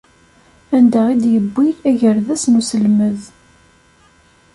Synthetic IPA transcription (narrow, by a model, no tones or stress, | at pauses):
ænd̪æʁid̪jəbːiɾæʝəɾðæsnusəlməð